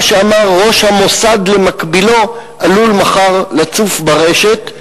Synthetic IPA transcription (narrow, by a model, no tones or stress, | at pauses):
ʃeamaʁːo̞ʃhamo̞sad̪lemakbilo̞ | ʔalulmaχaʁlat͡sufbaʁeʃet